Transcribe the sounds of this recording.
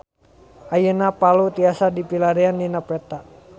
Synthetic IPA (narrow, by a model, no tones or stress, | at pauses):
ʔajənapalut̪iasadipilaɾianːinapɛt̪a